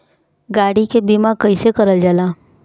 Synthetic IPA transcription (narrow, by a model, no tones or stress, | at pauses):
ɡaːɽikebiːmakɐisekɐɾəld͡ʒaːlaː